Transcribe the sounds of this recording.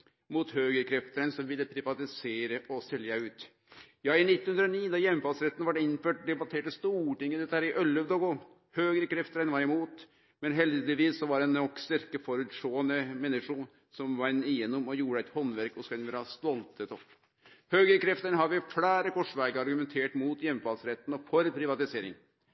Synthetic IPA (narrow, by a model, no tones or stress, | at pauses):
mut̪høːɡəɾkʰɾɛft̪əɾənsɔmʋɪlːəpʰɾɪʋɑt̪ɪseːɾəʔɔsɛljəʉːt̪ | jɑːɪnɪt̪ːnhʉnd̪ɾɔniːnɑjɛmːfɑːsɾɛt̪ːən̩ʋɑʈɪnːføːʈd̪ɛbɑt̪ʰeːʈəst̪uːʈɪŋːəd̪ɛt̪ːəhæːɾɪʔœlːəʋd̪oɡʊ | høːɡɾəkʰɾɛft̪əɾɛnʋɑɾɛmuːt̪ | mɛnɦɛld̪ɪt̪ɪʋiːsːɔʋɑɾɛnɔkːst̪æɾkəfɔɾʉt̪ʂoːənəmɛnɪʂʊ | sɔmʋɑnːɪjɛnːʊmɔjuːɾəɛt̪hɔnʋæɾkɔskɛnʋɪlɾɑst̪ɔlt̪ʰət̪ɔpː | høːɡəɾəkʰɾɛft̪əɳɦɑɾʋɪflæːɾəkʰɔʂʋæɡəɾɑɾɡʉmɛnt̪ʰeːʈmuːt̪jɛmːfɑːlsɾɛt̪ːənɔfɔɾpʰɾɪʋɑt̪ɪseːɾɪ̰ŋ